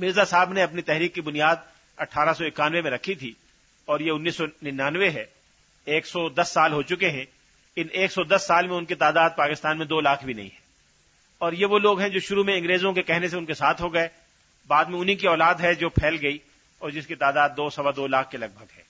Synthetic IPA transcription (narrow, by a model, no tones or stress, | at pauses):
mɪɾzasaːbneɐpnit̪ɛɦɾiːkːibʊnijaːd̪ | ɐʈʰaːɾasɔɪkaːnʋemẽɾɐkʰit̪ʰi | ɔːɾjeʊnːiːsːɔnɪnaːnʋeɦɛ | eːksɔd̪ɐsːaːlɦot͡ʃʊkeɦɛ̃ | ɪnʔeːksɔd̪ɐsːaːlmẽʊ̃nkit̪aːd̪aːd̪̚paːkɪst̪aːnmẽd̪oːlaːkʰbʱinɐ̰ɦḭ̃ɦɛ̃ː | ɔːɾjeʋoloːɡɦɛ̃d͡ʒoːʃʊɾumẽɐ̃ŋɡɾeːzõkekɛɦneseʊnkesaːt̪ʰɦoɡɐe | baːd̪mẽʊnɦikiɔːlaːd̪ɦɛd͡ʒoːpʰɛːlɡɐi | ɔːɾd͡ʒɪskit̪aːd̪aːd̪ːoːsɐʋad̪oːlaːkʰkelɐɡ̚bʱɐɡɦɛː